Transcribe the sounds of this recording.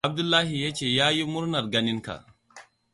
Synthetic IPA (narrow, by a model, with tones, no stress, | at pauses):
a˦b̚du˦lːa˦ɦi˨ja˦t͡ʃe˨ja˦ji˦mu˦ɾna˨ɾɡa˦ni˦nka̰˨